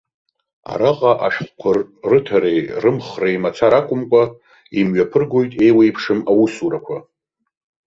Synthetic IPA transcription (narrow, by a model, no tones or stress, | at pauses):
a̰ɾaqʼaʔaʃᶣχʷkʷʰʊrːɨtʰaɾejrɨmχrejmat͡sʰaɾakʷʼʊmkʷʼa | imɥapʰɨrɡo̞jtʼe̞jwejpʰʂɨmawusuɾakʷʰa